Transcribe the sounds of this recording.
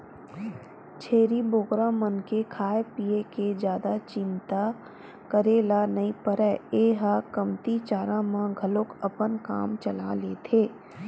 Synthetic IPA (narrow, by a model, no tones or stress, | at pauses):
t͡ʃʰeːɾiboːɡɾãmənkekʰaːjepiːeked͡ʒjaːd̪at͡ʃɪ̃nt̪a | kəɾeːlanɐipəɾɛːeːɦakɐmt̪it͡ʃaːɾãmãɡʱɐlokɐpənka̰ːmt͡ʃɐla̰leːt̪ʰeː